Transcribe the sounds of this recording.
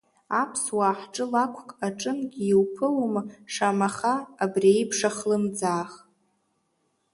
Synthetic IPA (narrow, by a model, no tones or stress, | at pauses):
apʰswaːħʈ͡ʂʼɨlakʷʰkʼaʈ͡ʂʼɨnɡʲiiwpʰɨlomʂamaχaːbriejpʰʂaχlɨmd͡zaːχ